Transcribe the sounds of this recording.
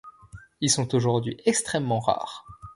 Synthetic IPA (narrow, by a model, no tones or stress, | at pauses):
ilsɔ̃t̪oʒuʁd̪ɥiʔɛkst̪χɛmːɑ̃ʁa̰ːʁ